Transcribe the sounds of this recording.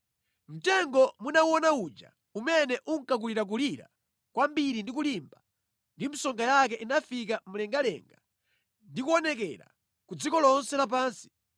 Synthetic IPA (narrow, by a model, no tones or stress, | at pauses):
m̩tɛŋɡɔmunauɔnaut͡ʃa̰ | umɛnɛʔuŋ̩kak̬uliɾak̬uliɾa̰ | kwambiɾindik̬ulimba | ndim̩sɔŋɡajak̬ɛʔinafik̬am̩lɛŋɡalɛ̰ŋɡa | ndikuɔnɛk̬ɛɾa̰ | kud͡zikɔlɔnsɛlap̬aːnsi̥